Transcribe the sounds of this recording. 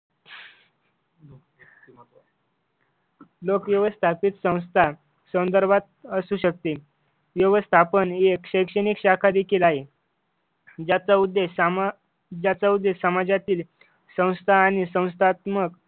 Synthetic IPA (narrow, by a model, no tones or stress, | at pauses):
lokʋjəʋəst̪ʰapit̪sə̃w̃st̪ʰa | sənd̪əɾbʱat̪̚əsuɕək̚t̪e | ʋjəʋəst̪ʰapənekɕəjkʂəɽ̃ikɕakʰad̪ekʰiːlaɦe | d͡ʑat͡saud̪ːe | d͡ʑjat͡saud̪ːesəmad͡ʑjat̪iːl | sə̃w̃st̪ʰaːñisə̃w̃st̪ʰat̪mək